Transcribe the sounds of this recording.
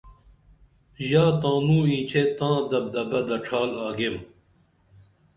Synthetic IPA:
jaːt̪ãːnũːĩːt͡ɕʰet̪ãːd̪ɐb̚d̪ɐbɐd̪ɐʈ͡ʂʰaːlaːɡem

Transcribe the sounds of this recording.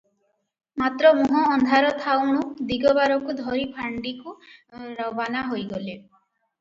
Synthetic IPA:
mat̪ɾɔmuɦɔːnd̪ʱaɾɔt̪ʰawɽ̃ud̪iɡɔbaɾɔkud̪ʱɔɾipʰaɳɖikuɾɔbanaɦojɡɔle

